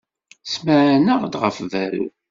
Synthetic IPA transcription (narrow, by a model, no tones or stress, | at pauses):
sməʕænəʁd̪ʁəfvæɾṵ